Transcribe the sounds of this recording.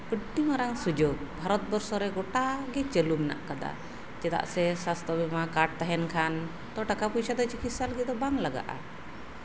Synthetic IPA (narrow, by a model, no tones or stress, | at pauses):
əʈt̪imaɾaŋsud͡ʒoɡ̚bʱaɾɔt̪̚bɔɾsɔɾɛɡɔʈaɡɛt͡ʃəlumɛna̰ʔkad̪a̰ | t͡ʃɛt̪a̰ʔsɛsast̪ɔbɛmakaʈ̚t̪aɦɛnkʰan | t̪ɔʈakapujsad̪ɔt͡ʃikit̪salɡɛd̪ɔbaŋlaɡa̰ʔa̰